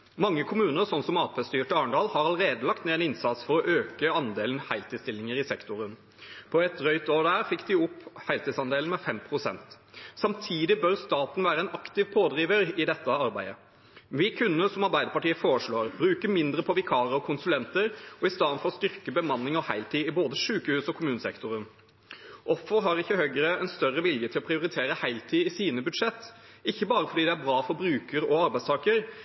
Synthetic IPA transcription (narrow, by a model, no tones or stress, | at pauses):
mɑŋːəkʰʊmʉːnəɾsɔnsɔmɑːpʰɛst̪yːʈɑːɳɖɑːlhɑɾɑləɾeːd̪əlɑkt̪neːɛnɪnsɑt̪sfɔɾɔʔøːkəɑnd̪eːln̩hæɪlt̪ɪst̪ɪlːɪŋəɾɪsɛkt̪ʊɾən | pʰɔɛt̪ɾœʏt̪oːɖ̪æːɾfɪkːd̪ɪɔpːhæɪlt̪ɪd̪sɑnd̪eːln̩mɛfɛmpʰʁʊsɛ̰nt̪ | sɑmt̪ʰiːd̪ɪbœɾst̪ɑːt̪n̩ʋæːɾəɛnɑkt̪ɪʋpʰoːd̪ɾiːʋəɾɪd̪ɛt̪ːəɑɾbæɪd̪ə | ʋɪkʰʉnːəsɔmɑɾbæɪd̪əɾpɑʈiːəfoːɾəʂɭoːɾbɾʉːkəmɪnd̪ɾəpʰɔʋɪkʰɑːɾəɔkʰʊnsʉlɛnt̪əɾʔɔɪst̪ɑnfɔɾɔst̪ʏɾkəbəmɑnːɪŋɔhæɪlt̪ʰiːɪboːd̪əʂʉːkəhʉːsɔkʰʊmʉːnəsɛ̰kt̪ʊɾən | ʔɔfəɾɦɑɾɪçːəhœɡəɾəɛnst̪œɾːəʋɪljət̪ʰɪlɔpʰɾɪʊɾɪt̪ʰeːɾəhæɪlt̪ʰiːɪsiːnəbʉd̪ʂɛt̪ːɪçːəbɑːɾəfɔɖiːd̪ɛæɾbɾɑːfɔɾbɾʉːkəɾɔɑɾbæɪst̪ɑːkəɾ